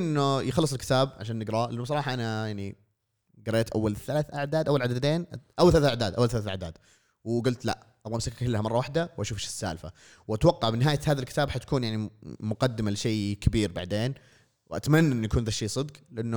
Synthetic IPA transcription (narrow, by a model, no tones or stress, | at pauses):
ʔɪnːʊjɪxɑlːɨsˤɪlkɪ̥t̪aːbʕaʃaːnːɪɡɾˤɑːʔanːʊs̬ˤɑɾˤɑːħɑʔanajaʕni | ɡɑɾˤːeːt̪ʔawːalθalaːθʔaʕd̪aːd̪ʔawːalʕad̪ad̪eːnʔawalθalaθaʕd̪aːd̪ʔawːalθalaːθʔa̰ʕd̪a̰ːd̪ | wɡʊlt̪la̰ʔ | ʔɑwʔmsakkɪlːhamɑrˤːɑwaħd̪awʔaʃuːfʃsːa̰ːlfa̰ | wʔat̪wɑqːɑʕbɪnɪɦaːjahaːðalkɪt̪aːbħat̪ḁkʰuːnjaʕnimʊqɑd̪ːɪmalɪʃeːkʰabiːɾba̰ʕd̪eːn | wʔa̰t̪manːaʔɪnːujakuːnðaʃːeːsˤɨd̪qlɪʔanːʊ